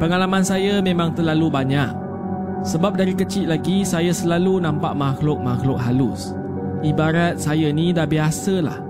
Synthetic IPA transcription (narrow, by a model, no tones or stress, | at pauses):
pəŋalamãnsajamẽmãŋt̪ərlalubaɲak̚ | səbap̚daɾikət͡ʃiʔ̪̚laɡisajasəlalunãmpaʔmaxlʊk̚maxlʊk̚ɦalus | ʔibaɾat̪̚sajanĩdahbiasəla̰h